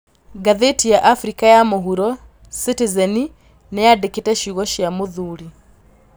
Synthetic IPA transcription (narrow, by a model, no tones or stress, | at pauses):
ɡaðetijaʔafɾikajamoɦuɾɔ | sitizɛni | nɛjadeketɛʃiɣɔʃjamoðuɾi